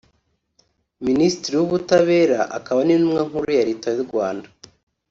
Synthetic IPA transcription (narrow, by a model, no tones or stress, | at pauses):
minisi̥tiɾiwuβutaβe̞ːɾaʔakaβaninumŋaŋ̥huɾujaɾitajuɾɡwaːnda